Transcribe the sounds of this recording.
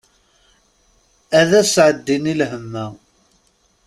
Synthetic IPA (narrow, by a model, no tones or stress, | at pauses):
æðæsʕəd̪ːinilɦəmːæ